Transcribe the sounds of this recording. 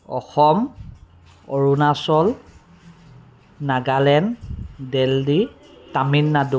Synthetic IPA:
ɔ̰xɔm | ɔɹunasɔl | naɡalɛndɛldi | taminːadu

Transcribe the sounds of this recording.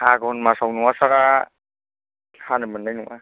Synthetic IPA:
aɡɔnmasawnuŋasaɾa | khanɯmɯnːajnuŋʔa̰

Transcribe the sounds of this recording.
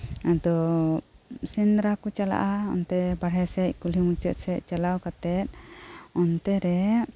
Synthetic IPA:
ad̪ɔ | sind̪ɾakɔt͡ʃala̰ʔaɔ̰nt̪ɛbaɽ̤ɛsɛc̚ˀkulimut͡ʃət̪̚sɛc̚ˀt͡ʃalawkat̪ɛt̪̚ˀɔnt̪ɛɾɛ

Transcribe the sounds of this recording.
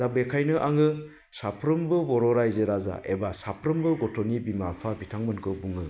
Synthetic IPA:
dabekʰajnɯʔaŋɯ | sapʰɾɯmbɯbɔɾɔɾajzeɾaza̰ʔḛbasapʰɾɯmbɯɡɔtʰɔnibimapʰabitʰaŋmɯnkʰɯbuŋɯ

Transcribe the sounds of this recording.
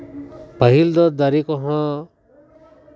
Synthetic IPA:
pəɦild̪ɔd̪aɾikɔɦã

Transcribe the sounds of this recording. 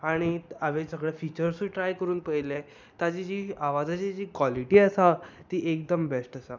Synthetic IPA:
aɽ̃iaʋesəɡɭefit͡ɕəɾsuʈɾajkəɾuːnpəjle | t̪ad͡ʑid͡ʑiːaʋad͡zat͡ɕad͡ʑiːkʋaliʈiːəsat̪iːʔek̚d̪əmbesʈəsa

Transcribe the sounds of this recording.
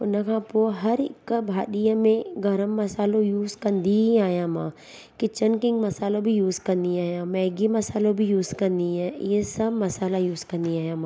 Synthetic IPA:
ʊnəkʰãːpoɦɐɾɪ̰kbʱaːɗijəmẽɡɐɾəmːɐsaːlõjuːzkɐnd̪iiaːjãmã̰ː | kɪt͡ʃənkɪŋɡmɐsaːlõbʱijuːzkɐnd̪iaːjãmɛːɡimɐsaːlõbʱijuːzkɐɾnd̪iɛ̃jesɐbmɐsaːlajuːzkɐnd̪iaːjãmãː

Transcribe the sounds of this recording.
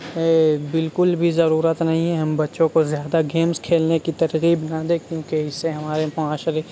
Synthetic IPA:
ɛbɪlkʊlbʱizɐɾuːɾət̪nɐɦĩɦɛɦɐmbɐtːʃõkozjaːd̪aɡeːmskʰeːlnekit̪ɐɾɣiːbnɐd̪eːkkjũːkeɪsːeɦɐmaːɾemʊaːʃɾe

